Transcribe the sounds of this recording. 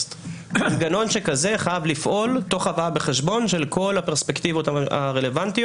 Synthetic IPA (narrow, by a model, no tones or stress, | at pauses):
t̪nɡano̞nʃe̞kaze̞χajavlifʔo̞lt̪o̞χavajabeχeʃbo̞nʃelko̞lhapeʁspekt̪ivot̪aa̰ʁele̞vant̪i